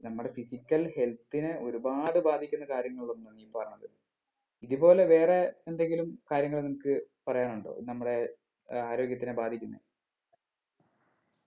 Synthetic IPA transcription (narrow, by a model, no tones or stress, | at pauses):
nɐmːuɽe̞fisikʲːɐlhe̞lt̪ːinɨo̞ɾubaːɽɨbaːd̪ʱikʲːunːɐkaːɾjɐŋːɐɭuɭo̞nːumniːmpɐrɐɲːɐðɐ | iðubo̞ːle̞ʋe̞ːreːnd̪e̞ŋɡilumkaːɾjɐŋːɐɭnimukːɨpɐrɐjaːnuɳɖo̰ːnɐmːuɽe̞ | aːɾo̞ːɡjɐt̪ːinebaːd̪ʱikʲːunːḛ